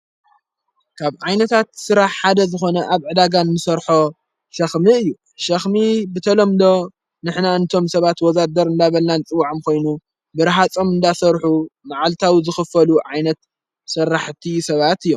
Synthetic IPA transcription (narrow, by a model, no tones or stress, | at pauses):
kʰaβʕajnɐt̪ʰat̪sɨɾaħħad̪ɐzɨxo̞nɐʔaβʕɨd̪aɡanːɨsɐɾħo̞ | ʃɐxmɨɨjːu | ʃɐxmibɨt̪ʰɐlomd̪o̞ | nɨħnaɨnɨt̪ʰo̞msɐβat̪wɔzad̪ɐɾɨnd̪aβɐlnanɨt͡sʼɨwaʕɨmkʰo̞jnu | bɨɾɦat͡sʼomɨnd̪asɐɾħumaʕalt̪ʰawizɨxɨfɐluʕajnɐt̪ | sɐrːaħt̪ʰisɐβat̪ɨjːom